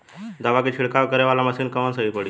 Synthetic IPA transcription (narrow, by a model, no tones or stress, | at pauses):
d̪aʋakit͡ɕʰiɭkaʋkəɾeʋalaməsiːnkəʋənsəipəɽi